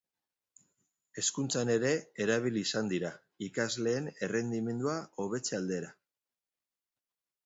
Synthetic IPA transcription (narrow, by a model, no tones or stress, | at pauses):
e̞skunt͡sane̞ɾe̞eɾaβ̞iliːsand̪iɾa | ikazle̞ːne̞re̞nd̪ime̞nd̪uao̞β̞e̞t͡seald̪e̞ɾa